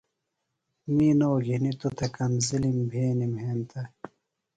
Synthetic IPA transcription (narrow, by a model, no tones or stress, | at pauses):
miːnoːɡʱinit̪ot̪ʰɐkɐnzilimbʱeːnimɦeːnt̪ʰɐ